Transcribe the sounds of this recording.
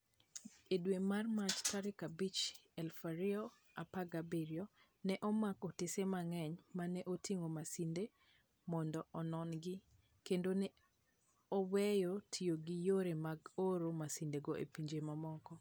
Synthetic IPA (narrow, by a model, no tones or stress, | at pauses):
edwemarmat͡ʃtaɾɪkabit͡ʃɛlfaɾɪɔ | apaɡabiɾiɔ | nɛʔɔmakɔtɪsemaŋɛɲmanɛʔotʰiŋomasinde | mɔndɔʔɔnɔnɡɪ | kendonɛ | ɔwɛjɔtʰijoɡijoɾemaɡoɾomasindeɡoʔḛpiɲd͡ʒemamɔkɔ